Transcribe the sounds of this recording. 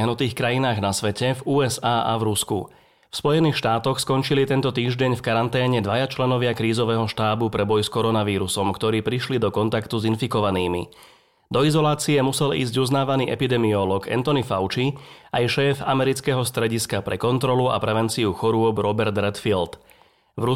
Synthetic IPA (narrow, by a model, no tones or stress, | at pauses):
ɦnut̪iːxkɾajinaːɣnasʋɛcɛvuːɛzaːʔa̰vɾuskṵ | fspɔjɛniːxʃt̪aːt̪ɔxskɔnt͡ʃilit̪ɛnt̪ɔt̪iːʒɟɛɲfkaɾant̪ɛːɲɛd̪ʋajat͡ʃlɛnɔʋɪakɾiːzɔʋɛːɦɔʃt̪aːbupɾɛbɔjskɔɾɔnaʋiːɾusɔmkt̪ɔɾiːpɾiʃlid̪ɔkɔnt̪akt̪uzinfikɔʋaniːmḭ | d̪ɔizɔlaːt͡siɛmusɛlḭːzɟuznaːʋaniːʔɛpid̪ɛmiɔlɔɡɛ̰nt̪ɔnifaʊt͡ʃi | ajʃɛːfamɛɾit͡skɛɦɔst̪ɾɛɟiskapɾɛkɔnt̪ɾɔlua̰pɾɛʋɛnt͡siuxɔɾʊɔbɾɔbɛɾd̪ɾɛt̪filt̪ | vɾu